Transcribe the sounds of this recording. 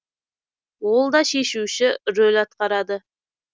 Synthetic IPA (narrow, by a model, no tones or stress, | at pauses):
wo̞lˠd̪ɑʃe̞ʃuʃɪrolʲɑt̪̚qɑɾɑd̪ə